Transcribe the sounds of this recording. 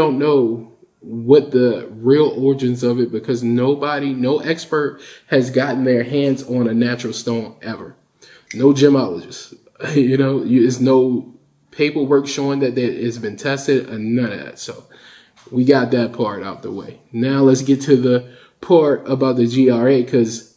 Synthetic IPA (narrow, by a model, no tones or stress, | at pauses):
õʊ̃nːoʊ | wʌt̪̚ðɨɹilˠɔɹɨd͡ʒɨ̃nzʌvɨt̚b̥ɨkʰʌznoʊbəɾinoʊʔɛkspə˞t̚hɨzɡɑʔn̩ðə˞ɦæ̃ndzn̩ɨnæt͡ʃɹl̩ˠstõʊ̃nɛvə˞ | noʊd͡ʒɨ̃mɑlˠəd͡ʒɨs | jɨnoʊjɨɪznoʊ | pʰeɪpl̩ˠwɜ˞kʃoʊɪ̃ŋðɨt̪̚ðɨɪzbɨ̃ntʰɛstɨɾɨ̰̃nʌɾɨ̰tsoʊ | wiɡɑt̪̚ðɨt̚pʰɑɹɾa̰ʊfðə̰wḛɪnaʊlətsɡ̥ɛtʰɨðɨ | pʰɑɹɾəbaʊt̪̚ðɨd͡ʒiɑɹeɪkʰʌz̥